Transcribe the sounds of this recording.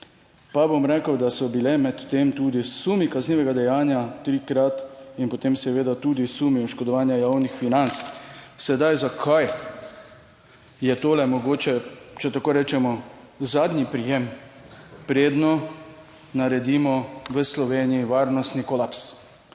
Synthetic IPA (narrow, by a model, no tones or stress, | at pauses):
pabomɾɛːkəwd̪asɔbilɛmɛt̪ːemt̪uːd̪isumikazniːʋɛɡad̪ɛjaːnjat̪ɾiːkɾat̪inpɔt̪eːmsɛʋeːd̪at̪uːd̪isumiɔʃkɔd̪ɔʋaːnjajaːwnixfinant̪ssɛd̪ajzakʰaj | jɛt̪oːlɛmɔɡoːt͡ʃɛt͡ʃɛt̪akoːɾɛːt͡ʃɛmɔ | zad̪nipɾijem | pɾeːd̪nɔ | naɾɛd̪imɔʋəslɔʋeːnijiʋaːɾnɔst̪nikɔlaps